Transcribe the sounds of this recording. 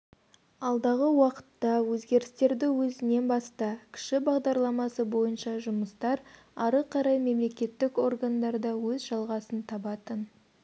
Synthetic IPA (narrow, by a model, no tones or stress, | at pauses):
ɑlˠd̪ɑʁəwɑqə̥t̪ːɑwɵzɡʲe̞ɾɪst̪e̞ɾd̪ɪwɵzɪne̞nbɑst̪ɑkʲʰɪ̥ʃɪbɑʁd̪ɑɾlˠɑmɑsəbo̞jənʃɑʒʊməst̪ɑɾ | ɑɾəqʰɑɾɑjme̞mle̞kʲe̞t̪ːɪko̞rɡand̪ɑɾd̪ɑwɵzʒɑlˠʁɑsənt̪ʰɑbɑt̪ən